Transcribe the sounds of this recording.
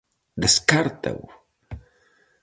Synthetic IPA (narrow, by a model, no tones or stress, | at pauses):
d̪eskaɾt̪a̰w